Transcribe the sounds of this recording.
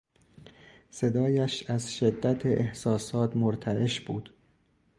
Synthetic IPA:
se̞d̪ɒːjæʃæzʃe̞d̪ːæt̪ʰeʔehsɒːsɒːt̪ʰmoɾt̪ʰæeʃbuːd̪̥

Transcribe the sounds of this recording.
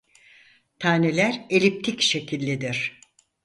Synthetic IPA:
t̪ʰaːne̞lʲæɾelʲip̚t̪ʰicʃe̞cʰilʲːed̪iɾ̥

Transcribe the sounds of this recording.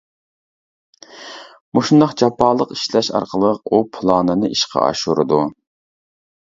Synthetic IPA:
muʃund̪ɑχd͡ʒɑpʰɑːlˠəqi̥ʃlɛʃɑ̰ɾqʰəlˠəq̚upʰlˠɑːnɨnɨʔiʃqʰɑ̰ɑ̰ʃuɾɨ̰d̪u

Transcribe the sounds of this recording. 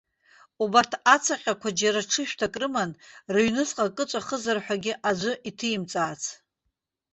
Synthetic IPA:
ubartʰat͡sʰaqʲʼakʷʰad͡ʒaɾaʈ͡ʂʰɨʃᶣtʰakʼrɨmanrɨɥnɨsqʼakʼɨt͡ʃʷʼaχəzɨrħʷᶣaɡʲɪʔad͡ʒʷʊʔitʰɨjimt͡sʼaːt͡sʰ

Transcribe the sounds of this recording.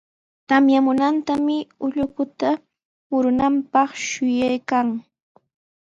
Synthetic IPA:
t̪amjamʊnant̪amɪʊʎʊkʊt̪a | mʊɾʊnampɑχʃʊjajkaŋ

